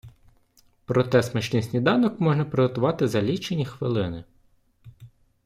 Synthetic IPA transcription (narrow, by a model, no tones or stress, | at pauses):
pɾɔt̪ɛsmɛʃnʲisʲnʲijd̪ɑnɔkmɔʒnɐpɾɪɦɔt̪ʊʋɑt̪ɪzɐlʲit͡ʃenʲixʋɪlˠɪnɪ